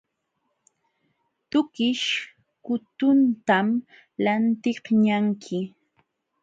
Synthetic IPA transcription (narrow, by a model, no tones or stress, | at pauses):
t̪ʊkɪʃ | kʊt̪ʊnt̪am | lant̪ɪhɲaŋkʰɪ